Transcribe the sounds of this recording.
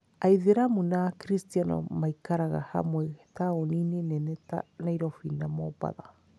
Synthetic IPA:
aiðeɾamunakɾistianɔ̰maikaɾaɣa̰ha̰mwɛtaoninenɛnɛta̰naiɾɔfinamɔba̰ða̰

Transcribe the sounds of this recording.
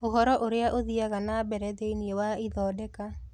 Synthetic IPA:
ohɔɾɔʔoɾeaʔoðiaɣanabɛɾɛðeiniewaiðɔːdɛka

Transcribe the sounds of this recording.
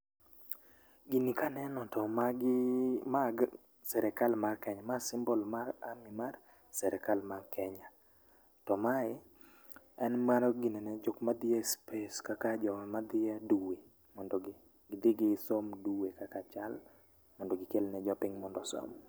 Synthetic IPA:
ɡinikanɛnɔtɔmaɡɪmaɡ | sɛɾɛkalmarkɛɲamasɪmbolmaɾa̰mɪmar | sɛɾʔɛkalmakʰɛɲa | tɔmaɪ | ɛnmaɾɔɡininɛd͡ʒokmad̪ɪaspeskakad͡ʒɔmad̪ɪaduwe | mɔndoɡ | ɡɪd̪ɪɡɪsomduwekakat͡ʃal | mɔndoɡɪkelnɛd͡ʒɔpɪŋmɔndɔso̰m

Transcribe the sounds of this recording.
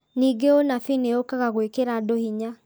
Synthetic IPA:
niɡeonafineokaɣaɣwekeɾadohiɲa

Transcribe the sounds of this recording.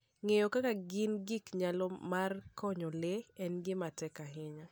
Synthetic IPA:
ŋejokakaɡɪnɡɪkɲalɔmarkʰɔɲɔleɛnɡɪmatɛkaɦɪɲa

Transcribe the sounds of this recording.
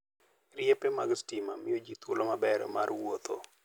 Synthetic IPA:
rjepemaɡstimamɪjod͡ʒit̪olomabɛɾ̰ma̰rwot̪ʰo̰

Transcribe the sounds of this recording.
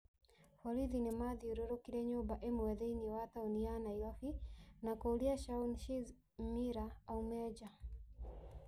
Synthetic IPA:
hɔɾiðinɛmaðiɔɾɔɾɔkiɾɛɲɔbaʔɛmwɛðɛiniwat̪aunianaiɣafinakɔliaʃaunʃiz | miɾaːumɛd͡ʒa

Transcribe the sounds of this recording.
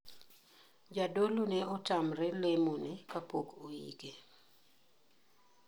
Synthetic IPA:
d͡ʒadolonɛɔtamɾɛlemonɪkapokoḭke

